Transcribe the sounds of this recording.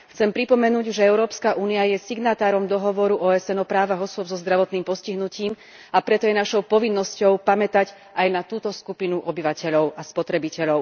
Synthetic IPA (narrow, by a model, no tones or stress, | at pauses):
xt͡sɛmpɾipɔmɛnuːɟʒɛɛʊɾɔːpskaʔuːniajɛsiɡnat̪aːɾɔmd̪ɔɦɔʋɔɾuʔɔːɛsɛnɔpɾaːʋaɣɔsʊɔbzɔzd̪ɾaʋɔt̪niːmpɔsciɦnuciːm | apɾɛt̪ɔjɛnaʃɔʊpɔʋinːɔscɔʊpamɛt̪aɟ | ajnat̪uːt̪ɔskupinuʔɔbiʋacɛʎɔʊʔaspɔt̪ɾɛbicɛʎɔʊ